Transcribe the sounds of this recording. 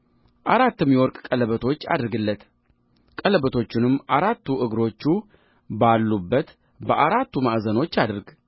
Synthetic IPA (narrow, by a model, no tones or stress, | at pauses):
ʔaɾat̪ːɨmjɛwɔɾkʼkʼələβət̪ʰo̞t͡ʃːa̰d̪ɾɡɨlːət̪ | kʼələbət̪ʰo̞t͡ʃːɪnɨmːaɾat̪ʰːuʔɨɡɾo̞t͡ʃːu | balːubːət̪ | bəʔaɾat̪ːumaʔzəno̞t͡ʃːad̪ɨɾɡ